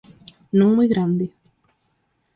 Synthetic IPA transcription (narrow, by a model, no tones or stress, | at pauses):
nõŋmujɣɾand̪i